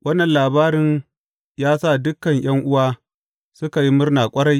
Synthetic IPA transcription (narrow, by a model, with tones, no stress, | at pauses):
wʔɐ˦nːɐ˨nlaː˨baː˦ɾɪ˦n | jaː˦saː˦˨dʊ˦kːɐ˨ɲj̰ɐ˦ŋʔʊ˦waː˦ | sʊ˦ka˨ji˦mʊ˦rnaː˨kʷʼɐ˦ɽa˦j